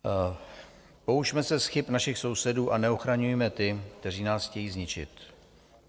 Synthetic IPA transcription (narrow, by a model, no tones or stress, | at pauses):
po̞uʃmɛsɛsxɪpnaʃɪxso̞wsɛduːʔanɛo̞xɾaɲujɛmɛt̪ɪkt̪ɛr̝iːnaːsxcɛjiːzɲɪt͡ʃɪ̰t̪